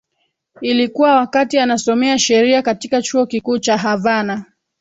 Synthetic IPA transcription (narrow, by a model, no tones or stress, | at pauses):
ilikuwawakatianasɔmɛaʃɛɾiakatikat͡ʃuɔkikuːt͡ʃaɦavana